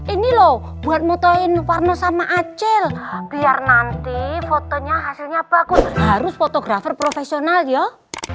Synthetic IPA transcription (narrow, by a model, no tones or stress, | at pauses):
ʔinilɔ | b̥ṳat̪̚mɔt̪ɔɪnwarnɔsamaʔat͡ʃɛlb̥iarnant̪ifɔt̪ɔɲaɦasilɲab̥akʊnhaɾʊsfɔt̪ɔɡ̥ɾafərpɾofesionaljɔ